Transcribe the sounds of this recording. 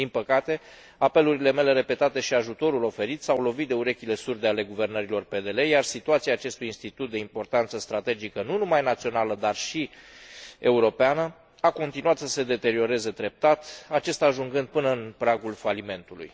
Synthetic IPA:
d̪̥inpəkat̪e̞ | ape̞luɾile̞me̞le̞ɾe̞pe̞t̪at̪e̞ʃiaʒut̪o̞ɾulo̞fe̞ɾit̪sawlo̞vit̪̚d̪e̞uɾe̞kʲile̞surd̪e̞ale̞ɡuve̞rnəɾilo̞rpe̞d̪e̞le̞jarsit̪uat̪siaːt͡ʃe̞st̪ujinst̪it̪ut̪̚d̪e̞impo̞rt̪ant̪səst̪ɾat̪e̞d͡ʒikənunumajnat̪sio̞naləd̪arʃi | e̞uɾo̞peanə | ako̞nt̪inuat̪səse̞d̪e̞t̪e̞ɾio̞ɾe̞ze̞d̪ɾe̞p̚t̪at̪at͡ʃe̞st̪aːʒuŋɡɨnd̪̚pɨnəɨnpɾaɡulfalime̞nt̪ulṵj

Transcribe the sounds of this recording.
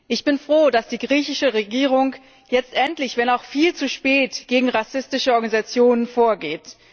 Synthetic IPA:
ʔɪçb̥ɪnfʁ̥oːdasd̥iːɡʁiːçɪʃəʁeɡiːʁ̞ʊŋ | jɛt͡stʔɛntlɪçv̥ɛnaʊxfiːlt͡suʃpɛːtɡ̥eːɡŋ̩ʁasɪstɪʃəɔɐɡanizat͡sjoːnənfoːɐɡeːt

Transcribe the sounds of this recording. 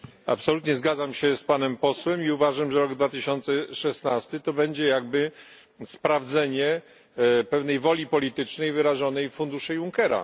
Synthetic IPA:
a̰psɔlut̪ɲɛzɡad̪zamɕɛspanɛmpɔswɛmiuvaʐamʐɛɾɔɡd̪vat̪ɘɕɔnt̪sɛʂɛsnast̪ɘt̪ɔbɛɲd͡ʑɛjaɡ̚bɘ | spɾavd̪zɛɲɛ | pɛvn̪ɛjvɔlʲipɔlʲit̪ɘt͡ʂnɛjvɘɾaʐɔnɛjfund̪uʂɛjuŋkɛɾa̰

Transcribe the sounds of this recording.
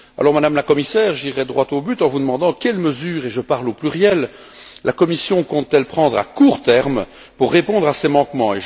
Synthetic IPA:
a̰lɔʁmad̪amlakɔmisɛːʁʒiʁːɛd̪ʁwat̪obyt̪ɑ̃vud̪əmɑ̃d̪ɑ̃kʲɛlməzyːʁeʒəpaʁloplyʁjɛlː | ʔakɔmisjɔ̃kɔ̃t̪ːɛlpχɑ̃d̪ʁa̰kuʁt̪ɛʁm | puʁːepɔ̃d̪ʁasɛmɑ̃kmɑ̃e

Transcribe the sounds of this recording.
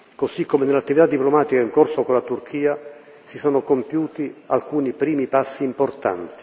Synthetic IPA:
kosikːomenelːat̪ːivit̪ad̪ːiplomaːt̪ikaiŋkorsokolat̪urk̟ʰiːa | sisɔːnokompjuːt̪ia̰lkuːnipɾiːmipasːiːmport̪a̰nt̪i̥

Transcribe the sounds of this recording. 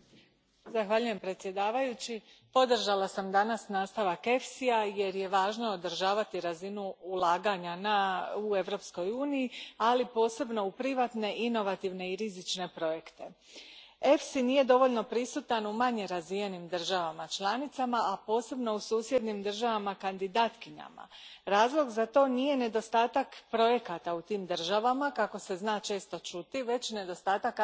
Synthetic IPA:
zaxʋaʎuje̞mpɾe̞t̪sje̞d̪aːʋajut͡ɕi | po̞d̪r̩ʒalˠasamd̪anasnaːst̪aʋake̞fsiaje̞ɾje̞ʋaːʒno̞od̪r̩ʒaːʋat̪iɾazinuulˠaːɡaɲanaue̞ʋɾo̞psko̞juːnijialipo̞ːse̞bno̞upɾiʋaːt̪ne̞ʔino̞ʋat̪iʋne̞iɾizit͡ʃne̞pɾo̞jekt̪e̞ | e̞fsiniːje̞d̪o̞ʋoʎno̞pɾisut̪anumaɲe̞ɾazʋije̞nimd̪r̩ʒaʋamat͡ʃlˠanit̪samaapo̞ːse̞bno̞usuːsje̞d̪nimd̪r̩ʒaʋamakand̪id̪aːt̪kiɲa̰ma̰ɾaːzlˠo̞ɡzat̪o̞ːnije̞ne̞d̪o̞st̪aːt̪akpɾo̞je̞kat̪aut̪iːmd̪r̩ʒaʋamakako̞se̞znaːt͡ʃe̞ːst̪o̞t͡ʃut̪iʋe̞t͡ɕne̞d̪o̞st̪aːt̪ak

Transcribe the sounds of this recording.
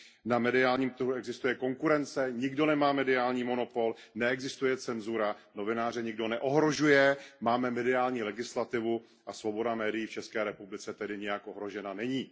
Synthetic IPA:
namɛdɪaːlɲiːmt̪ɾ̩ɦuɛɡzɪst̪ujɛko̞ŋkuɾɛnt͡sɛɲɪɡdo̞nɛmaːmɛdɪaːlɲiːmo̞no̞po̞l | nɛɛɡzɪst̪ujɛt͡sɛnzuɾano̞vɪnaːr̝ɛɲɪɡdo̞nɛʔoɦɾo̞ʒujɛmaːmɛmɛdɪaːlɲiːlɛɡɪslat̪ɪvu | ʔasvo̞bo̞damɛːdɪjiːft͡ʃɛskɛːɾɛpublɪt͡sɛt̪ɛdɪɲɛjakʔo̞ɦɾo̞ʒɛnanɛɲiː

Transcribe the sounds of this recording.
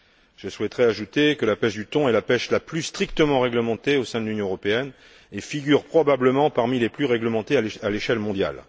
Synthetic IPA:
ʒ̥əswɛt̪ʁɛaʒut̪ekəlapɛʃd̪yt̪ɔ̃ɛlapɛʃlaplyst̪χikt̪əmɑ̃ʁɛɡləmɑ̃t̪eosɛ̃d̪əlynjɔ̃øʁɔpeɛn | efiɡʲyʁpχɔbabləmɑ̃paʁmileplyʁɛɡləmɑ̃t̪eaaleʃɛlmɔ̃d̪ja̰l

